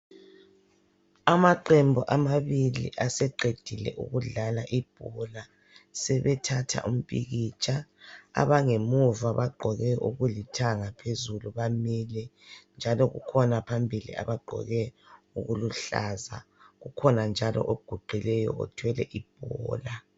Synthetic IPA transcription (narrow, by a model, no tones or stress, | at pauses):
amaǃembʱɔʔamaβilḭʔasɛǃed̥ʱilɛ̰ʔṵɣuɮalaʔib̥̚ʱɔla | sɛβɛtʰatʰa̰ʔum̩pʼḭɣit͡ʃʰʼaa̰βaŋemuvaβaɡ͡ǃʱɔɣɛʔuɣulitʰaŋapʰezuluβamilɛnd͡ʒʱalɔɣṵkʰɔnapʰambʱilḭa̰βaɡ͡ǃʱɔ̰ɣɛ | uɣuluɬa̰za | ɣukʰɔnand͡ʒʱalɔ̰ʔoɡ̥ʱuɡ͡ǃʱilɛjɔ̰ɔ̰tʰwɛlɛ̰ʔib̥̚ʱɔːla